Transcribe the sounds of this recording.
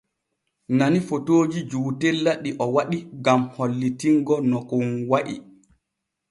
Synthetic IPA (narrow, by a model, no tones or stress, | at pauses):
nanifotoːd͡ʒid͡ʒuːtɛlːaɗiʔɔwaɗiɡamholːitiŋɡɔnɔkunwaʔḭ